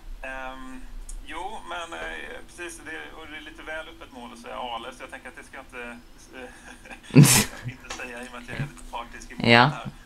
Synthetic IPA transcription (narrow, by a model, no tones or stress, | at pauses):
ɛ | juːmɛnpʰɾɛsiːsɔd̪ɛɔd̪ɛːɭiːt̪əvɛːlɵpːət̪moːlɔsɛja̰ɑːlɛsɔjɑːɡt̪ɛŋkəɾat̪̚d̪ɛskajaɪnt̪ə | ɪnt̪əsɛjːajʊmɛnat̪jaɡɛliːt̪əpʰɾɑːk̚t̪ɪskɪmjɑːɾ